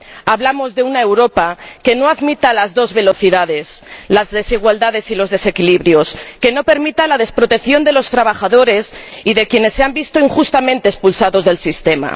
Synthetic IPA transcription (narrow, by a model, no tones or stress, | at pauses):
aβlamo̞zðe̞unae̞wɾo̞pake̞no̞aðmit̪alazðo̞zβe̞lo̞θiðað̞e̞slazðe̞siɣ̞wald̪aðe̞silozðe̞se̞kiliβɾjo̞ske̞no̞pe̞ɾmit̪alaðe̞spɾo̞t̪ekθjo̞nd̪e̞lo̞st̪ɾaβ̞axaðo̞ɾe̞siðe̞kje̞ne̞sːeambist̪oiŋxust̪amẽ̞nt̪eːspulsaðo̞zðe̞lsist̪e̞ma̰